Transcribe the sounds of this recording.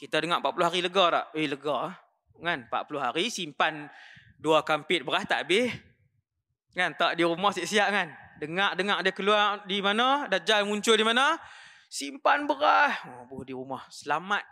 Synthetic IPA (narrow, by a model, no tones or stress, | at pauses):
kit̪adəŋaʔpaʔpulʊɦaɾiləɡɔɾa̰ʔeləɡɔ | ŋanpa̰ʔpulʊɦaɾisimpan | duakampɪt̪̚bəɾaht̪a̰ʔbɪh | ŋant̪aʔdiɾumɔhsiʔsiaʔŋandəŋaʔdəŋaʔdəkəluardimanɔdad͡ʒalmuɲt͡ʃʊldimana | simpanbəɾahɔbuhdiɾumɔhsəlamat̪̚